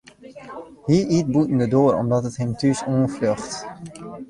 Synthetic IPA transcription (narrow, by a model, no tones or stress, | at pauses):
hiʔit̚butn̩dədoəɾɔ̰mdɔtətɦɪmtysoənfløχt